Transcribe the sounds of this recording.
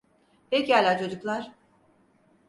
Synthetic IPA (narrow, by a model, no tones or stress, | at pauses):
hɛcalʲat͡ʃʰo̞d͡ʒuklˠaɾ̥